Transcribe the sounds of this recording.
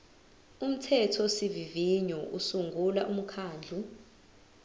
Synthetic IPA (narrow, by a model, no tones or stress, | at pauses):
um̩tʰɛtʰɔsiviviɲɔʔusuŋɡʱulaʔum̩kʰaːnd͡ɮʱu